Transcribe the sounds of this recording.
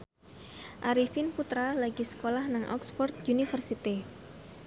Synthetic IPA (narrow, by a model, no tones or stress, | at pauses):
ʔaɾifinput̪ɾalaɡisə̥kolahnaŋʔɔ̰ksfɔrt̪̚unifərsit̪i